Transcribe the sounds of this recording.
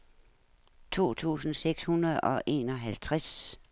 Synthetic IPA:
t͡sʰo̝̰ːt͡sʰṵːsn̩seɡ̥shunɐð̩ˠɒ̽ʔe̝̰ːnɒ̽ɦælt͡sʰʁas

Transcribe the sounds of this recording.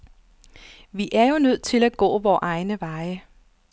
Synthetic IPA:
ʋiʔæɐjo̝nøð̞̰ˠt͡sʰe̝læɡ̥ɔ̰ːʋɒːʔɑ̈ɪnəʋɑ̈ɪə

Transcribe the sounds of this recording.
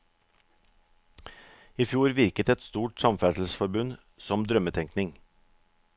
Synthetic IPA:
ifjuːɾʋɪɾkət̪ɛt̪st̪uːʈsɑmfæsl̩sfɔɾbʉn | sɔmd̪ɾœmət̪ʰɛŋknɪŋ

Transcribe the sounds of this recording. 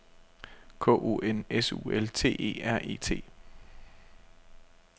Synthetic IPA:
kʰɔ̰̽ːo̝̰ːʔenesṵːelt͡sʰe̝̰ːʔe̝̰ːæɐ̰ʔe̝̰ːt͡sʰe̝̰ː

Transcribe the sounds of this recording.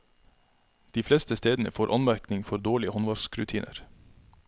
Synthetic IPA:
d̪̥iːflɛst̪əst̪eːd̪n̩ə̰foːɾʔɑnmæɾknɪŋfɔɾd̪oːɭɪəhɔnʋɑɾskɾʉt̪ʰiːnʔə̰ɾ

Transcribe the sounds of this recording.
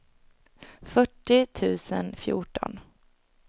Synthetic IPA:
fœʈːɪt̪ʰʉ̟ːsənfjṵːʈɔ̰n

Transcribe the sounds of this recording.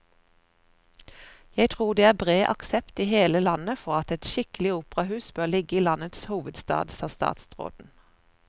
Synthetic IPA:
jæɪt̪ʰʁuːd̪eːæːʁbʁeːʔɑ̰ksɛpt̪iːheːləlɑnəfɔʁɑt̪ɛt̪ʃɪkəlɪuːpʁɑhʉːsbøːʁlɪɡəiːlɑnət̪shuːʋəd̪st̪ɑ̰ːd̪sɑːst̪ɑ̰ːt̪sʁo̰ːd̪n̩

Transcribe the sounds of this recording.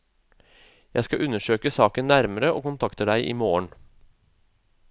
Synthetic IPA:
jæɪskɑʔʉnəʃøːkəsɑːkənnːæɾməɾəʔoːkʊnt̪ʰɑkt̪əd̪æɪʔiːmoːəɳ

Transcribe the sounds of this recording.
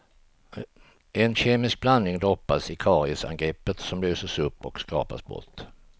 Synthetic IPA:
ɛnɕeːmɪsk̚blannɪŋd̪ɾɔpːasɪkʰɑːɾɪɪsa̰ŋɡɾɛpːət̪sɔmlyːsəʂɵpːɔkskɑ̰ːpa̰sbɔ̰t̪ː

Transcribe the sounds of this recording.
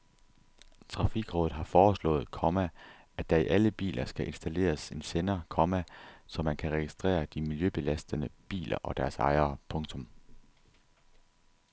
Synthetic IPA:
t͡sʰʁɑ̈fiɡ̥ʁɔːð̩ˠɦɑ̈fɒːslɔ̰̽ːð̞ˠkʰɒ̽mæ | æ̥d̥ɑ̈iʔæləb̥ḭːlʔɐsɡ̥æʔe̝nsd̥æle̝̰ːɐse̝nsenɐkʰɒ̽mæsɒ̽mænkʰæʁɛɡ̥isd̥ʁɛ̰ːɐd̥imiljøb̥e̝læsd̥ənəb̥ḭːlɐ̰ʔɒ̽d̥æɐsɑ̈ɪɐpʰɔ̽ŋt͡sʰɔ̽m

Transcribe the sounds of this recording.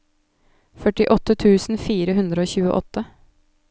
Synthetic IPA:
fœʈɪʔɔt̪ːət̪ʰʉːsn̩fiːɾəɦʉnd̪ɾəoːçʉːə̰ʔɔ̰t̪ʰːə

